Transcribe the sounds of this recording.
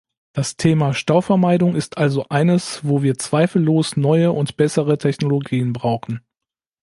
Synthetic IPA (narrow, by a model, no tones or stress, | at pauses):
d̥astʰeːmaʃtaʊfɛɐmaɪdʊŋɪstʔalzoʔaɪnəsvoːviːɐt͡sv̥aɪfl̩ːoːsnɔʏəʔʊntb̥ɛsəʁətʰɛçnoloɡiːənbʁaʊxn̩